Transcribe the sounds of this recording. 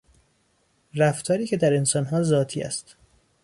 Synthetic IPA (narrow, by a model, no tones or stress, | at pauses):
ræft̪ʰɒːɾiːcʰed̪æɾe̞nsɒːnɦɒːzɒːt̪ʰḭːæ̰st̪